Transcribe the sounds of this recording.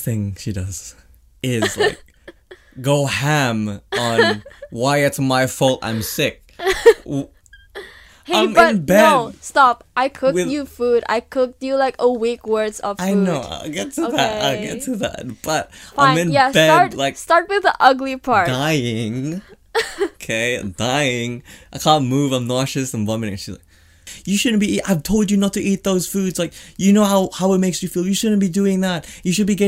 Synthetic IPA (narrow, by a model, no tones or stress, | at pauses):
θɪ̃ŋʃidʌz̥ | ɪzla̰ɪk̚ | ɡ̥oʊhæ̃mə̃nwaɪɨtsmaɪfolˠtã̰ɪ̃msɪk̚ | heãɪ̃mɪʌnbæstɑpʔaɪkʰʊkwɨjɨfuɾa̰ɪkʰʊk̚tjɨlaɪkəwikwɜ˞dzʌv̥aɪnoʊa̰ɪlˠɡɛtʰɨoðæta̰ɪlˠɡɛ̰ttʰɨðæ̰t̚b̥ʌt̚ãɪ̃mɨ̃njæbæɹlaɪkstɑɹt̚wɨðiʔʌɡlipʰɑɹd̥aɪɪ̃ŋ | kʰeɪd̥aɪɪ̃ŋaɪkʰæ̃nmuvãɪ̃mnɔʃɨsɨ̃nɑm̃nɪ̰̃ʃizla̰ɪk̚ | jɨʃʊdⁿn̩b̥iiʔaɪv̥tʰoʊlˠd͡ʒɨnətʰɨʔit̪̚ðoʊz̥fudz̥laɪkjɨnoʊhaʊhaʊət̚meɪksjɨfilˠjɨʃʊdⁿn̩b̥idʉɪ̃ŋðæt̚jɨʃɨd̚biɡɛ